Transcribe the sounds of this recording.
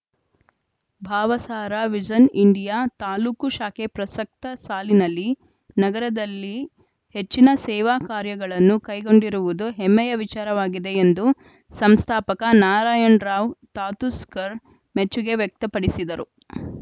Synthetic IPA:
bʱaːʋɐsaːɾaʋid͡ʒɐniɳɖijaːt̪aːluːkuʃaːkepɾɐsɐk̚t̪ɐsaːlinɐlːi | nɐɡɐɾɐd̪ɐlːi | he̞t͡ʃːinɐsɛːʋaːkaːɾjɐɡɐɭɐnːukɐjɡo̞ɳɖiɾuʋud̪uɦemːɛjɐʋit͡ʃaːɾɐʋaːɡid̪e̞end̪u | sɐmst̪ʰaːpɐkɐnaːɾaːjɐɳɾaːʋt̪aːt̪uskɐɾ | met͡ʃːuɡe̞ʋjɛk̚t̪ɐpɐɽisid̪ɐɾu

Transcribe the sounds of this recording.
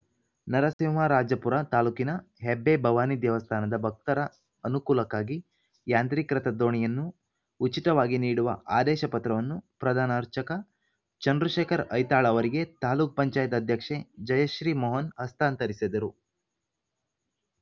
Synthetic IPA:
nɐɾɐsiʋaːɾaːd͡ʒɐpuɾat̪aːluːkinɐ | ɦebːebʱɐʋaːnid̪jɛʋɐst̪ʰaːnɐd̪ɐbʱɐk̚t̪ɐɾɐː | nukuːlɐkaːɡi | jaːnt̪ɾikɾɐt̪ɐd̪o̞ːɳijɐnːuː | t͡ʃːit̪ɐʋaːɡiniːɽuʋɐ̰ʔaːd̪ɛːʃɐpɐt̪ɾɐʋɐnːupɾɐd̪ʱaːnaɾt͡ʃɐkɐ | t͡ʃɐnd̪ɾuʃeːkʰɐɾɐjt̪aːɭɐʋɐɾiɡet̪aːluːk̚pɐɲt͡ʃaːjɐt̪ɐd̪ʱjɐkʂe̞d͡ʒɐjɐʃɾiːmɔːɦɐnhɐst̪ʰaːnt̪ɐɾisid̪ɐɾu

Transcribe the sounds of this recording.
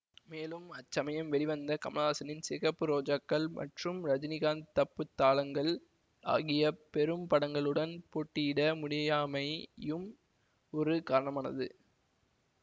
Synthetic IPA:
meːlɯmɐt͡ʃːɐmɐjɐmʋɛɭɪʋɐnd̪ɐkɐmɐlaːsɐnɪnsɪɣɐpːɯɾoːd͡ʒɐkːɐɭmʔɐ̰ʈrɯmɾɐd͡ʒɪnɪɣaːnt̪ɐpːɯt̪ːaːlɐŋɡɐɭ | a̰ːɣɪjɐpɛɾɯmpɐɽɐŋɡɐɭɯɽɐnpoːʈːɪjɪɽɐmʊɽɪjaːmɐɪjɯm | ɔɾɯkaːɾɐɳɐmaːnɐ̰ðɯ

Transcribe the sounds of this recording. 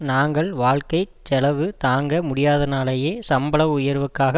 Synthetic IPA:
naːŋɡɐɭʋaːɭkɐɪt͡ʃːɛlɐʋɯt̪aːŋɡɐmʊɽɪjaːðɐnaːlɐjeːsɐmbɐɭɐʋʊjɐɾʋɯkːaːɣɐ

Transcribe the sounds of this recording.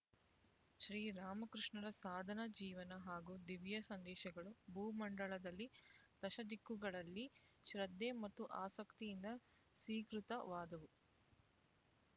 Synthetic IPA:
ʃɾiːɾaːmɐkɾuʂɳɐɾɐsaːd̪ʱɐnɐd͡ʒiːʋɐnɐɦaːɡud̪iʋjɐsɐnd̪ɛːʃɐɡɐɭubʱuːmɐɳɖɐɭɐd̪ɐlːit̪ɐʃɐd̪ikːuɡɐɭɐlːi | ʃɾɐd̪ːeːmɐt̪ːuʔaːsɐkt̪ijind̪ɐ | sʋiːkɾut̪ɐʋaːd̪ɐʋu

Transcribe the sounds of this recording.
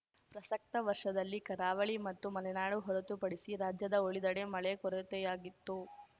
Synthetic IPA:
pɾɐsɐk̚t̪ɐʋɐɾʂɐd̪ɐlːikɐɾaːʋɐɭimɐt̪ːumɐlɛnaːɽuɦɔɾɐt̪upɐɽisiɾaːd͡ʒjɐd̪ɐoɭid̪ɐɽemɐɭekɔɾɐt̪ɛjaːɡit̪ːu

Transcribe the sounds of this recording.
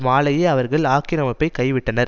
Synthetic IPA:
maːlɐjeːɐʋɐɾɣɐɭaːkɪɾɐmɐpːɐɪkɐɪʋɪʈːɐnɐɾ

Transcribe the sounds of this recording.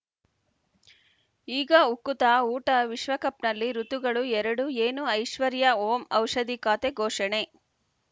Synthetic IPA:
iːɡɐukːut̪aːuːʈɐʋiʃʋɐkɐpnɐlːiɾut̪uɡɐɭuɛɾɐɽueːnuɐjʃʋɐɾjɐoːmɐwʂɐd̪ikaːt̪eɡʱoːʂɐɳe

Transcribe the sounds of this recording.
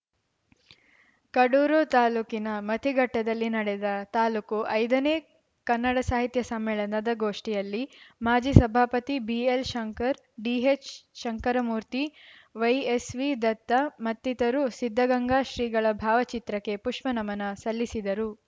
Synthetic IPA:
kɐɽuːɾoːt̪aːluːkinɐmɐt̪ʰiɡɐʈːɐd̪ɐlːinɐɽɛd̪ɐt̪aːluːkuʔɐjd̪ɐneː | kɐnːɐɽɐsaːɦit̪jɐsɐmːɛːɭɐnɐd̪ɐɡoːʂʈijɐlːimaːd͡ʒiːsɐbʱaːpɐt̪ibielʃɐŋkɐɾ | ɖiːet͡ʃʃɐŋkɐɾɐmuːɾt̪i | ʋɐjesʋid̪ɐt̪ːɐmɐt̪ːit̪ɐɾusid̪ʱːɐɡɐŋɡaːʃɾiːɡɐɭɐbʱaːʋɐt͡ʃit̪ɾɐkːe̞puʂmɐnɐmɐnɐsɐlːisid̪ɐɾu

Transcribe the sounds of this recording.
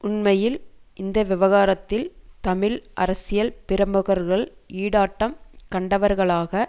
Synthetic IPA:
ʔʊnmɐjɪlʔɪnd̪ɐʋɪʋɐɣaːɾɐt̪ːɪlt̪ɐmɪlʔɐ̰ɾɐsɪjɐlpɪɾɐmbɯɣɐɾɣɐɭiːɽaːʈːɐmkɐɳɖɐʋɐɾɣɐɭaːɣɐ

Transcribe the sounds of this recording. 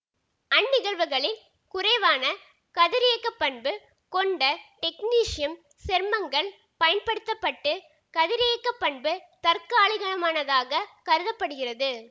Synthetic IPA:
ɐnːɪɣɐɭʋɯɣɐɭɪn | kʊrɐɪʋaːnɐ | kɐðɪɾeːkːɐpːɐɳbɯ | kɔɳɖɐʈɛkniːʂɪjɐm | sɛɾmɐŋɡɐɭ | pɐjɐnpɐɽɯt̪ːɐpːɐʈːɯ | kɐðɪɾɪejːkːɐpːɐɳbɯt̪ɐɾkaːɭɪɣɐɳɐmaːnɐðaːɣɐkɐɾɯðɐpːɐɽɯɣɪrɐðɯ

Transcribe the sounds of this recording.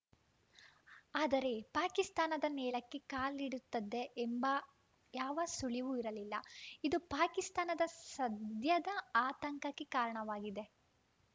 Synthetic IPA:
aːd̪ɐɾe̞paːkist̪aːnɐd̪ɐnɛːɭɐkːe̞kaːliɽut̪ːɐd̪ːe̞ʔːmbɐ | jaːʋɐsuɭiʋuiɾɐlilːɐ̰id̪upaːkist̪aːnɐd̪ɐsɐd̪ʱjɐd̪ɐaːt̪ɐŋkɐkːekaːɾɐɳɐʋaːɡid̪e̞

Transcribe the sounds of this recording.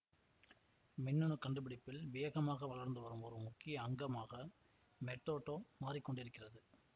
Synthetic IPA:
mɪnːɯɳɯkːɐɳɖɯbɪɽɪpːɪlʋɪjɐɣɐmaːɣɐʋɐɭɐɾnd̪ɯʋɐɾɯmɔɾɯmʊkːɪjɐːŋɡɐmaːɣɐ | mɛʈːoːʈːoːmaːrɪkːɔɳɖɪɾɯkːɪrɐðɯ

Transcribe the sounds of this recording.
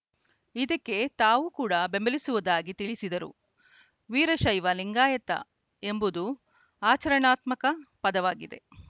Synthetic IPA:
id̪ɐkːe̞t̪aːʋukuːɽɐbembɐlisuʋɐd̪aːɡit̪iɭisid̪ɐɾṵ | ʋiːɾɐʃɐjʋɐliŋɡaːjɐt̪ɐ̰ | e̞mbud̪u | aːt͡ʃɐɾɐɳaːt̪mɐkɐpɐd̪ɐʋaːɡid̪e̞̰

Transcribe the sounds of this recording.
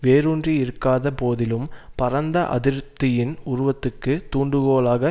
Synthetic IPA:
ʋeːɾundriɪɾɯkːaːðɐpoːðɪlɯmpɐɾɐnd̪ɐʔɐ̰ðɪɾt̪ːɪjɪnʊɾʊʋɐt̪ːɯkːɯt̪uːɳɖɯɣoːlaːɣɐ

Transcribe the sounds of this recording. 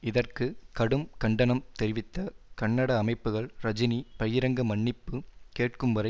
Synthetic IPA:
ɪðɐrkɯkɐɽɯmkɐɳɖɐnɐmt̪ɛɾɪʋɪt̪ːɐkɐɳːɐɽɐːmɐɪpːɯɣɐɭɾɐd͡ʒɪnipɐjɪɾɐŋɡɐmɐɳːɪpːɯkeːʈkɯmʋɐɾɐ

